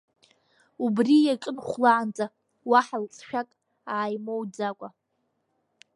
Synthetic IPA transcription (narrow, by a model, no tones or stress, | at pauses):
ubrijakʼɨnχʷlaʕant͡sʼa | waħalt͡sʼʃᶣakʼ | aːjmowd͡zakʷʼa